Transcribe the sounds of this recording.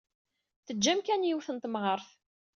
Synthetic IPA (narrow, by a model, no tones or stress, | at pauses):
θəd͡ʒːæmkænjiwθənt̪mʁəɾθ